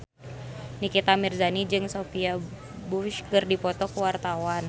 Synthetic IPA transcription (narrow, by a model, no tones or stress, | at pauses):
nikit̪amirzanid͡ʒɨŋsofia | buʃkɨrdipɔt̪ɔkəwart̪awan